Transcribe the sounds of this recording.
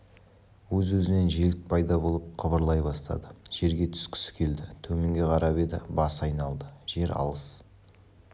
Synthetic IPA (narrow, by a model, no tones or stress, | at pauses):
wɵzwɵzɪne̞nʒelɪk̚pʰɑjd̪ɑbo̞lˠəp̚qʰəbəɾlˠɑjbɑst̪ɑ̰d̪əʒ̥e̞ɾɡʲe̞t̪ʰʏ̥skʲɪ̥sɪ̥kʲʰe̞ld̪ɪt̪ʰɵme̞ŋɡʲe̞qʰɑɾɑbe̞d̪ɪ̰bɑsɑjnɑlˠd̪əʒ̥e̞ɾɑ̰lˠəs